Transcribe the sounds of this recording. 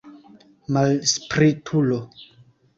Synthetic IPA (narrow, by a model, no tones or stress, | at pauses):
malspɾitʰulo